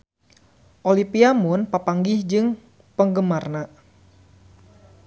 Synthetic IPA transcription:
ʔolipiamʊnpapaŋɡɪhd͡ʒɨŋ | pəŋɡəmarna

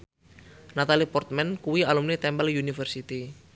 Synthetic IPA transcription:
nat̪alipɔrt̪̚mɛnkuwialumnit̪ɛmbɛljunifərsit̪i

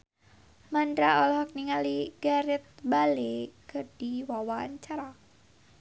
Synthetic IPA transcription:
mandɾaɔlɔɦɔk̚niŋaliɡ̥aɾɪt̪̚balekərd̥iwawaɲt͡ʃaɾa

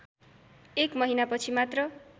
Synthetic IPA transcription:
ekmʌɦinapʌt͡sʰimat̪rʌ

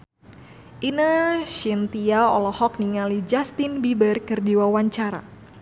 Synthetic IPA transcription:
ʔinəʃint̪iaɔ̰lɔhɔk̚niŋalid͡ʒast̪inbibərkərdiwawaɲt͡ʃaɾa̰

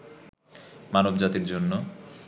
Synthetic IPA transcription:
manobd͡ʑat̪iɾd͡ʑonːo

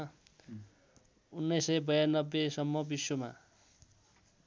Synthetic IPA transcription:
unːʌjsʌjbʌjanːʌbːesʌmːʌbiswoma̰

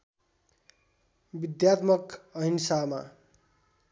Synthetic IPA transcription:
bid̪jat̪mʌkʌɦinsama̰

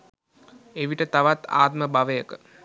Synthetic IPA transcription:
eʋiʈət̪aʋat̪a̰ːt̪məbaʋəjəkə

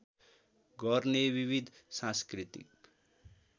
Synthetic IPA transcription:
ɡʌrnebiβid̪ʱsãskɾit̪ḭk̚

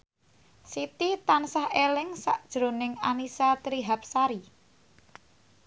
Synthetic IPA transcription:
sit̪it̪ansahelɪŋsaʔd̥ʒ̥ɾo̤nɪŋanisat̪ɾiɦap̚saɾi

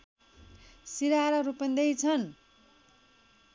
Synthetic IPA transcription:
siɾaɾʌɾupʌnd̪ʌjt͡sʰʌn

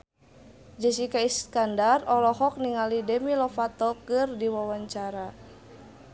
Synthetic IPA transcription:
d͡ʒəsikaiskandarɔlɔɦɔk̚niŋalidɛmilɔfat̪ɔkɨrdiwawaɲt͡ʃaɾa

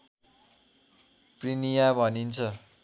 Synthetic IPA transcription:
prinijabʱʌnint͡sʰʌ

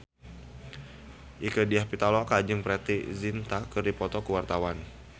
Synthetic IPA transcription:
ʔikədiahpit̪alɔakad͡ʒɨŋpɾɛt̪izint̪akɨrdipɔt̪ɔkuwart̪awan

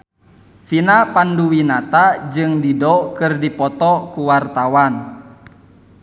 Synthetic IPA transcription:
finapanduwinat̪ad͡ʒɨŋdidɔkɨrdipɔt̪ɔkuwart̪awan

